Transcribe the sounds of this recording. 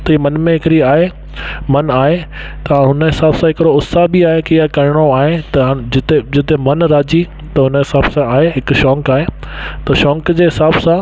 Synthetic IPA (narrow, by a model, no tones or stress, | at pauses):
t̪ɐiːmɐnmẽɦɪkɪɾiaːɦe | mɐnaːɦe | t̪ɐãɦʊnəɦɪsaːbsãɦɪkɪɾoʊssabɪaːɦekiakɐɾɪɽ̃oaːɦet̪ɐd͡ʑɪt̪ed͡ʑɪt̪emɐnɾaːd͡ʑi | t̪ɐɦʊnɦɪsaːb̥sãaːɦeɦɪkʃɔ̃ːŋkaːɦet̪ɐʃɔ̃ːŋkd͡ʑeːɦɪsaːbsã